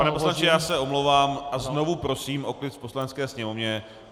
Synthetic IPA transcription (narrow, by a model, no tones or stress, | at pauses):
panɛposlant͡ʃɪjaːsɛo̞mlowvaːmʔazno̞vupɾo̞siːmʔo̞klɪt̪po̞slanɛt͡skɛːsɲɛmovɲɛ